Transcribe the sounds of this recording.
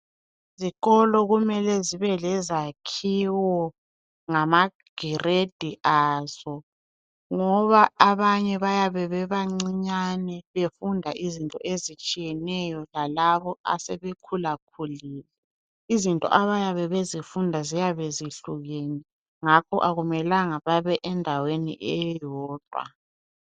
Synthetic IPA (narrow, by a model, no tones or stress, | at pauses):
z̥ikɔlɔɣumɛlɛziβɛlɛzakʰiwɔ | ŋama | ɡ̥ʱired̥ʱiʔaz̥ɔ | ŋɔβaːβaɲɛβajaβɛβɛβaŋ͡ǀiɲanɛβefundʱaʔizintʼɔ̰ʔezit͡ʃʼijɛnɛjɔlalaβɔa̰sɛβekʰulakʰuliːlɛ | izintʼɔ̰ʔaβajaβɛβezifundʱazijaβeziɬuɣeni | ŋakʰɔ̰ʔaɣumɛlaŋaβaβɛʔɛndʱawenḭʔɛjɔːd̥ʱwa̰